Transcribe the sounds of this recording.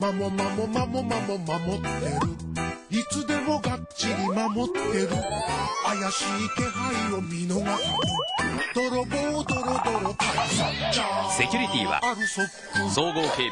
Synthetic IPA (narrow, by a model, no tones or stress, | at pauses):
mamomamomamomamomamot̪ːe̞ɾɯ̟ | it͡sɨd̪e̞mo̞ɡa | t͡ɕːiɾʲimamo̞t̪ːe̞ɾɯajaɕiːke̞ɦaiomʲinoɡasiɯd̪̥oɾomod̪oɾod̪oɾot̪ait͡ɕasekʲuɾit̪ʲḭβa̰aɾɯsopː | ɯsoːɡoːheː